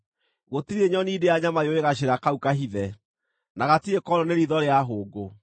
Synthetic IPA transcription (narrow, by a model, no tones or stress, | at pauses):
ɣotiɾeɲɔnideaɲamajoeɣaɕ̬eɾakaukaɦiðɛ | naɣatiekɔɾɔneɾiðɔɾeaɦoːɡo